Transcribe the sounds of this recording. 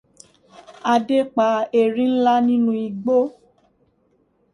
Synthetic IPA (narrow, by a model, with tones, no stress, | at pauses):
a˧de˦k͡pa˨˦e˨ɾĩ˦n̩˦la˦nĩ˦nũ˦i˧˨ɡ͡bo˦